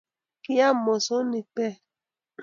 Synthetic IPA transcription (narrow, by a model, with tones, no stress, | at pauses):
ki˦ja˦˨mɔ˨so˦ni˨pɛ˦˨